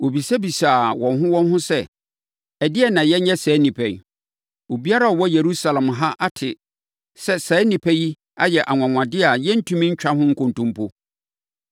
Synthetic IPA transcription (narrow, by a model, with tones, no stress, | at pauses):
wo˨bi˨sɛ˦bi˨saː˨wɔ̃˨nɦʊ̃˦wɔ̃˦nɦʊ̃˦sɛ˦ | ɛ˨dɪ˦ɛ˨nã˨jɛ˦ɲɛ˦sɛː˨˦nĩ˨pʰɛ̰̃˨ɲ˨ | o˨bi˦a˦ɾa˦ɔ˨wɔ˦je˨ɾu˦sa˨lã˨mɦa˦ʔa˦tʰɪ˨ | sɛ˦sɛː˨˦nĩ˨pʰæ˦ji˦ | a̰˦jɛ˨ʔa˨ŋʷã˨ŋʷã˨dɪ˦a˨jɛ˦n̩˦tʰũ˦mĩ˦ɲ̩˦t͡ɕᶣa˦ɦʊ̃˦ŋ̩˦kʰʊ̃˨ntũ˦mpʰo˦